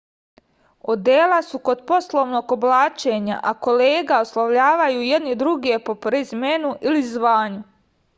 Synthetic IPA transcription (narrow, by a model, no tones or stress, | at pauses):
od̪eːlasuko̞d̪po̞slˠoʋno̞ːɡo̞blˠaːt͡ʃe̞ːɲa̰ʔako̞leːɡao̞slˠaʋʎaːʋajuːjed̪nid̪ɾuɡe̞po̞pɾezmenuʔilizʋaːɲu